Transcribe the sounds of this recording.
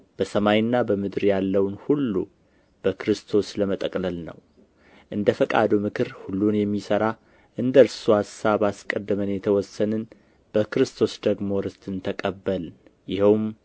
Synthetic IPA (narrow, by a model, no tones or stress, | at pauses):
b̥əsəmajnːabəmɨd̪ɾjalːəwnhulːṵ | b̥əkɾɨst̪ʰo̞sləmət̪ʼəkʼləlnə̰w | ʔɨnd̪əfəkʼa̰d̪umɨkʰɨɾhulːunjɛmːisəɾa | ʔɨnd̪əɾsuhasaβaskʼəd̪ːəmənjɛt̪ʰəwɔsːənɨn | b̥əkɨɾɨst̪ʰo̞sd̪əɡmo̞ɾɨst̪ʰɨnt̪ʰəkʼəbːəl | jɪhɛwm